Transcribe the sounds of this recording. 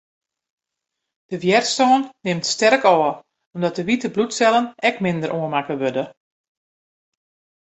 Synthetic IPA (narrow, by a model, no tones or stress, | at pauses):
d̥əʋjɛrtstɔːnːɪmtstɛrkɔːə | ɔmdɔt̚dəʋitəblutsɛlˠənɛkmɪndəɾʔoənmakəʋødə